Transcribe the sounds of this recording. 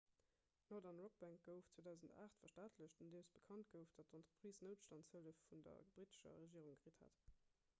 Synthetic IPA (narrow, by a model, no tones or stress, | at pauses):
loːdɑnʁok̚b̥æŋk̚ɡ̥əʊftt͡sweːdæʊzənta̰ːχtfɐʃtaːtʰləɕtundesb̥əkʰɑnt̚ɡəʊfd̥ɑt̚ɔntʁəpʁ̥iːsnəʊtʃtɑnshələfːundɐ̰b̥ʁitə̥ʃɐ̰ʁeʒiːəʁuŋɡʁitha̰t